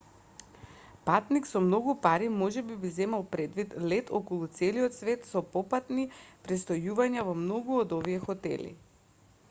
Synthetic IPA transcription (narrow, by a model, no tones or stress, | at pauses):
pat̪niksɔmnɔɡupaɾimɔʒɛbibizɛmalˠpɾɛd̪vit̪lɛt̪ʰokɔlˠut̪sɛliɔt̪svɛt̪sɔpɔpat̪nipɾɛst̪ɔjuvaɲavɔmnɔɡuod̪oviɛxɔt̪ɛ̰lḭ